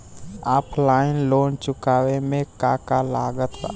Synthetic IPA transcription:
aːplaːɪnloːnt͡ʃʊkaːwemẽkaːkalaːɡət̪a̰

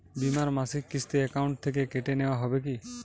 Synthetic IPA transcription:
bimaɾmasikːist̪eɛkauɳʈ̚t̪ʰek̬ekeʈenewoaɦɔbek̬i

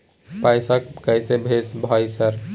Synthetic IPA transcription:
pajsəkkəjsebʱesbʱɔjsəɾ

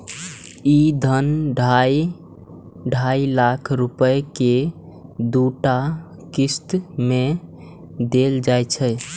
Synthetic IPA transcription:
id̪ʱənɖʱaj | ɖʱailakʰɾupəjke | d̪uʈa | kist̪me | d̪eld͡ʒajt͡ʃʰəj

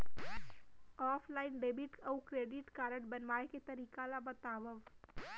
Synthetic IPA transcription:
ɔːpʰlaːɪnɖeːbɪʈɐukɾeːɖɪʈkaːɾəɽbənʋaːeket̪ɐɾiːkalabɐt̪aːʋəʋ

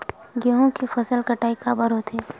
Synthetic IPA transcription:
ɡeɦõkifɐsəlkɐʈaːikabɐɾot̪ʰi

